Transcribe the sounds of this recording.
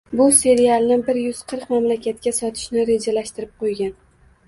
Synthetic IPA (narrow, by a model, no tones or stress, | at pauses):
bʊse̞ɾijalˠnɪbɪɾjʊz̥qʰɨɾqmamlakʲʰat̪kʲasɒt̪ʰɪ̥ʃnɪɾe̞d͡ʒalaʃt̪ɪɾɪp̚qʰojɡʲan